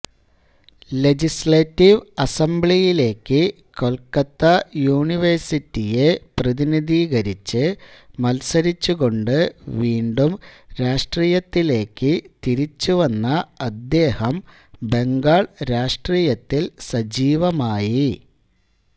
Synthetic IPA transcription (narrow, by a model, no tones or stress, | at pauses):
le̞d͡ʑisletːiʋɐsembɭijile̞ːkːɨ | ko̞lkɐt̪ːɐjuːɳiʋɐrsitːije̞prɐðiniðiːɣɐɾit͡ɕːɨmɐlsɐɾit͡ɕːuɣo̞ɳɖɨʋiːɳɖumɾaːʂʈriːjɐt̪ːile̞ːkːɨt̪iɾit͡ɕːuʋɐnːɐɐd̪ːe̞ːhɐm | be̞ŋɡaːɭɾaːʂʈriːjɐt̪ːilsɐd͡ʑiːʋɐmaːji